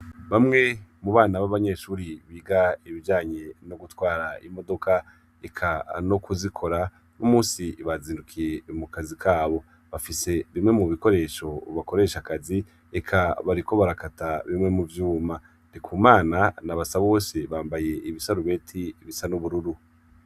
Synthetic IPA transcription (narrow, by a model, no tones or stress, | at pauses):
βamŋe̞muβaːnaβaβaɲe̞ʃuːɾiβiːɡaiβid͡ʒaːɲe̞no̞ɡutwaːɾaimo̞do̞kʰa | ekʰanokuzikʰo̞ɾa | nomuːsiβaziːndukʰije̞mukazikʰaːβo̞ | βafise̞βimŋe̞muβiko̞ɾe̞ːʃo̞βako̞ɾe̞ːʃakazi | ekʰaβaɾiko̞βaɾakataβimŋe̞muvjuːma | nikʰuːmaːnanaβasaβo̞ːseβaːmbaje̞ʔiβisaɾuβe̞tʰiβisanuβuɾuɾu